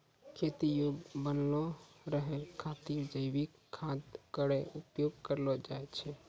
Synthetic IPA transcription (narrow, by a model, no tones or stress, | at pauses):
kʰet̪ijobənloɾəɦɛkʰat̪iɾd͡ʒəɪbikkʰːad̪kəɾeupjoɡkəɾlɔd͡ʒaet͡ʃʰɛ